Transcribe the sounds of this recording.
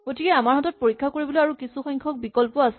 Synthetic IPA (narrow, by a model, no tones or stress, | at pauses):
ɡ̥otikɛamaɹhɔtɔt̚poɹikʰːakoɹibɔlojaɹukisuxɔŋkʰɔk̚bikɔlpɔasɛ